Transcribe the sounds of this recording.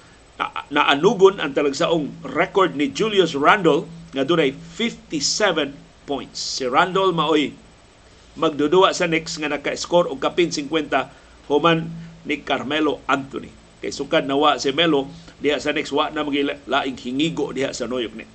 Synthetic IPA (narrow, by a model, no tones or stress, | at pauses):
naʔanuɡʊna̰nt̪aləɡsaʔʊŋrɛkɔrd̚nid͡ʒuljusrandɔlŋad̪uɾajfift̪isɛvɛn | pɔjnt̪sːeɾandɔlmaoi | məɡ̚duduaʔsanɛksŋanakaskɔrɔŋkapinsiŋkwɛnt̪a | homanːikarmeloant̪ṵnḭ | kajsukad̪̚nawaʔsemelodiɦaʔsanɛkswaʔnamaɡileʔlaʔiŋhiŋiɡoʔdiɦa̰ʔsanojʊk̚nɛ̰